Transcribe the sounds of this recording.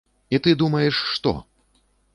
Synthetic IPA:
it̪ɨd̪umɐjɛʂːt̪ɔ̰

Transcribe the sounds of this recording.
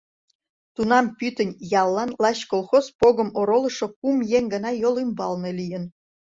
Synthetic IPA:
t̪unɑmpyt̪ənʲjɑlːɑnlɑɕkolˠxozpoɣə̆moɾolɤ̆ʃokumjeŋʲɡɤ̆nɑjolymbɑlnelʲijən

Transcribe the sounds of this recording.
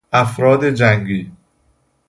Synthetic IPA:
ʔæfɾɒːd̪e̞d͡ʒæŋɡiː

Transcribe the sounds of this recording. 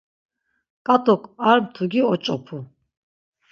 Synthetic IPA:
kʼat̪ʼɔkʰʼaɾmt̪ʰuɡiɔt͡ʃʼɔpʰu

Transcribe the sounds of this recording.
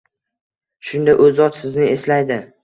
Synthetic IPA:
ʃʊnd̪aʔɵzɒt̪sɪznɪe̞slajd̪ɪ

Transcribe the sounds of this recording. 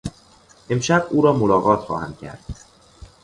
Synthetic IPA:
ʔe̞mʃæbuːɾɒːmolɒːɣɒːt̪ʰxɒ̰ːhæmd̪̚cʰæ̰ɾd̪̥

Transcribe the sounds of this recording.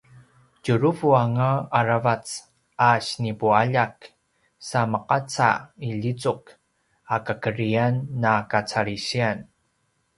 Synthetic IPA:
cuɾuvuaŋaːɾavat͡s | aɕnipuaʎak | saməqat͡sa̰iʎit͡suk | akəkəɾianːakat͡saɾiɕian

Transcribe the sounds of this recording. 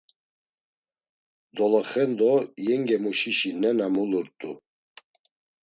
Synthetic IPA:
d̪ɔlɔχɛnd̪ɔjɛŋɡɛmuʃiʃinɛnamuluɾt̪ʼu

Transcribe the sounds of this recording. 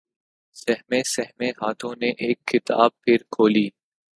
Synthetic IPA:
sɛɦmẽsɛɦmeɦaːt̪ʰõneʔeːkʰːɪt̪a̰ːb̚pʰɪɾkʰoːliː

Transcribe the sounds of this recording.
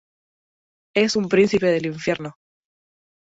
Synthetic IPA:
e̞sumpɾĩnθipe̞ðe̞liɱfje̞ɾno

